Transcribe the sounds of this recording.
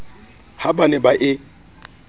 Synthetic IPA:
habanɛbaʔɪ

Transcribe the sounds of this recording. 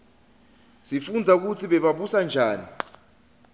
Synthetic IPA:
sifund͡zʱauk̬ut͡sʰiɓɛɓaɓusand͡ʒʱaːni

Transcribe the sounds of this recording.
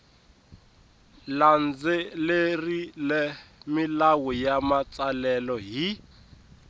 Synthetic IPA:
land͡zɛlerilɛmilawɔjamat͡salɛlɔɦi

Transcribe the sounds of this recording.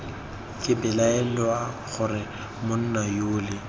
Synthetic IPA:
kʼɪbɪlaɛlwa | χʊrɪ | mʊn̩najʊːlɪ

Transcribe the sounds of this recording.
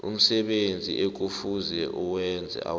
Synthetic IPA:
ṵm̩sɛɓend͡zʱḭʔek̬ufuzɛʔuwɛnd͡zʱɛ̰ʔa̰

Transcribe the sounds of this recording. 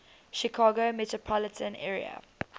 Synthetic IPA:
ʃikʰɑːɡomɛtɹɔpʰɔlətʰə̃nɛːɹḭə̰

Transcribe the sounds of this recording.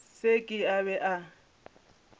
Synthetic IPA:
sekʼɪaβɛʔa

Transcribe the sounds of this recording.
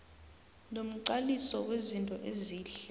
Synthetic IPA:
nom̩ǀalisɔwezintʼɔʔeziːɬɛ

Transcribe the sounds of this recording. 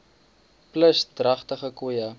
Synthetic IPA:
pləsdrɐχtəχəkujɐ

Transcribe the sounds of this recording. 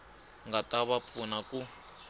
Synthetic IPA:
ŋɡataβap̪funaku

